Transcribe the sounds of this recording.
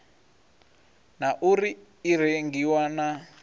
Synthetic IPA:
naʔuɾiː | ɾeŋɡiwana

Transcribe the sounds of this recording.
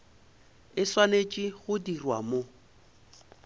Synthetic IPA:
ɪswanet͡ʃʼiɣʊdirwa̰mo

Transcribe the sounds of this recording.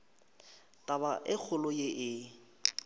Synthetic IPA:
tʼabaʔɪk͡xʰʊlʊjeʔɪ

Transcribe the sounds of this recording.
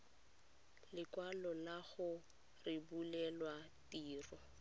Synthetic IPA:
lɪkwalɔlaɣʊ | rɪbulɛlwa | tiːrɔ

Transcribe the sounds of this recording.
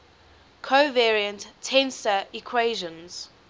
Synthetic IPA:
kʰoʊvɛːɹiə̃ntʰːɛ̃nsəikʰweɪʒə̃nz̥

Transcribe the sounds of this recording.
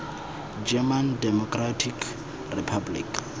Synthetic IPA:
d͡ʒɛmandɛmɔkʼratʰik | ripʰablḭk

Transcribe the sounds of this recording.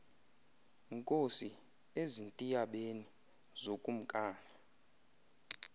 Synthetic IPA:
ŋkʼosi | ezintʼijaɓeni | zokʼum̩kʼaːna

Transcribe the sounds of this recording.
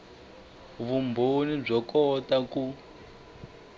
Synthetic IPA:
βumbʱonib͡ʐɔkɔtaku

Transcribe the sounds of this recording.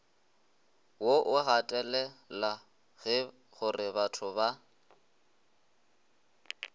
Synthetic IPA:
woʔʊɣatʼɛlɛla | ɣɪ | ɣʊrɪbatʰʊba

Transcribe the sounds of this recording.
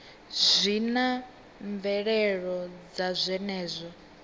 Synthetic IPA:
zʷina | ɱvɛɺɛɺɔd͡zazʷɛnɛːzʷɔ

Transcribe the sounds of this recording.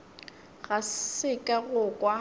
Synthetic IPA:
ɣaɪkʼaɣʊkʼwa

